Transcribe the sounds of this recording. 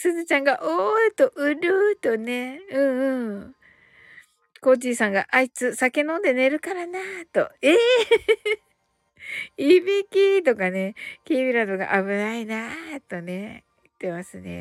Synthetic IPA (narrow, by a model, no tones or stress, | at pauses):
sɨzɨt͡ɕãŋɡaʔoɯt̪o̞ʔɯ̟ɾɯ̟t̪o̞ne̞ɯ̟̃ːɯ̃ː | ko̞d͡ʑiːsãŋɡa̰ʔait͡sɨsake̞nõnd̪ene̞ɾɯ̟kaɾanat̪o̞̰e | ibikʲit̪̬o̞kane̞kʲibʲiɾad̪o̞ɡa̰ʔaβɯ̟nainat̪o̞ne̞ | ɯt̪ːe̞masɨne̞̰